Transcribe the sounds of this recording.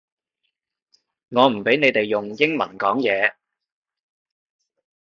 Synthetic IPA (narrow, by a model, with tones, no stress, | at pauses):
ŋɔː˨˧m̩˨˩pe˨˥jne˨˧jt̪e˨jːʊ˨ŋjɪ˥ŋmɐ̰˨˩nkɔː˨˥ŋjɛː˨˧